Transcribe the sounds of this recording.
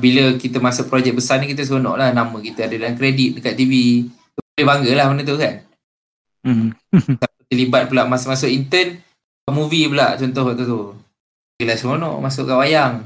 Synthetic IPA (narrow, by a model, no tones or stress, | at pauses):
biləkit̪əmasʊʔpɾod͡ʒɛk̚bəsarnikit̪əs̬onɔ̰̃ʔlahnamə̃kit̪əadədalaŋkɾedit̪̚dəkaʔ̪t̪ivi | t̪uolebaŋɡəlahmanət̪̬ukan̩ | t̪apət̪əlibat̪̚pulaʔmasʔmas̬ʊʔint̪ən | aʔmuvipula̰ʔt͡ʃɔnt̪ɔhkaʔt̪at̪u | ɡilaskonɔ̰̃ʔmas̬ʊʔkaʔwajaŋ